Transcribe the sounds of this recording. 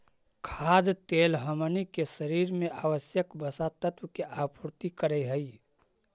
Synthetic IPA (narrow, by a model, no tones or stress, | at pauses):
kʰaːd̪t̪eːlɦəmənikesəɾiːɾmẽʔaːʋəsjəkbəsat̪ət̪wəkeʔaːpuɾt̪ikəɾəɦəi